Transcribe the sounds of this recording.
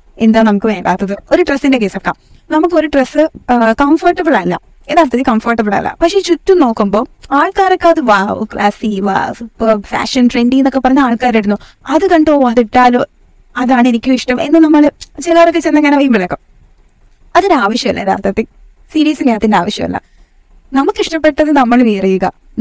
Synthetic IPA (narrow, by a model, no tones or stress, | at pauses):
end̪aːnɐmukːɨmeːlaːt̪ːɐðɨoɾuʈrɐst̪indek̬eːsɐfkːa̰ːm | nɐmukːo̞ɾuʈrɐsɨkɐmfɐrʈːɐbɨɭaːɾinːa̰ | enːaːrt̪ːɐt̪ːikɐmfɐrʈːɐbɨɭa̰ḭlːɐ̰pɐkʂe̞t͡ɕutːuno̞ːkːumbo̞ːaːɭkaːɾokːeɐðɨʋaːɨ̰klaːsiʋa̰supːɐrfa̰ːʂɐnʈreːɳɖĩŋenːokːepːɐrɐɲːɐaːɭkaːɾiɽunːu | ɐðɨkɐɳɖoːɐðiʈːaːloː | ɐðaːɳɨenikʲːuiʂʈɐmḛnːɨnɐmːɐɭt͡ɕilaːɐrɐkːet͡ɕenːɐŋːaːnɐʋɐjumbɐlɐkːɐm | ɐðoɾaːʋɐʂjɐmɐ̰lːɐ̰ɾa̰ːt̪ɐt̪ːe | siːɾiːsɨnaːɐt̪ːindeaːʋɐʂjɐmɐ̰lːɐ̰ | nɐmukːiʂʈɐpːe̞ʈːɐðɨnɐmːɐɭʋijɐrijuɣɐ